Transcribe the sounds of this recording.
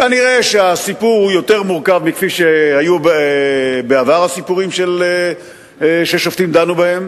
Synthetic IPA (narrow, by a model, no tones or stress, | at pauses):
kaniʁe̞ʃeasipuʁujo̞t̪e̞ʁmuʁkavmikfiʃehajub | beavaʁasipuʁimʃele | ʃeʃoft̪imd̪anubahe̞m